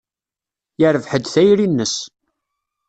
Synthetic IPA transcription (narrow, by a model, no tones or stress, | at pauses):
jəɾəvħəd̪θæjɾinːəs